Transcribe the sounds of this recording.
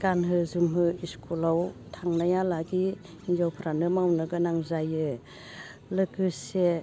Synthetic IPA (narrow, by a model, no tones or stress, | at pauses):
ɡ̥anɦɯzumɦɯiskʰulawtʰaŋnajalaɡi | inzawpʰɾanɯmawnɯɡɯnaŋzajɯ | lɯkɯse